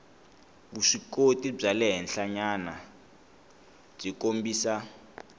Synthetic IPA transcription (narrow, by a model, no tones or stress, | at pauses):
kuʂikotib͡ʐalɛɦɛnɬaɲana | b͡ʐikombiːsa